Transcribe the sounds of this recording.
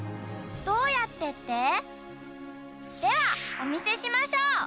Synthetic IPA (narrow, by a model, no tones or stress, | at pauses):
d̪̥o̞ːjat̪ːe̞t̪ːe | d̪̥e̞βao̞mʲise̞ɕimaɕoː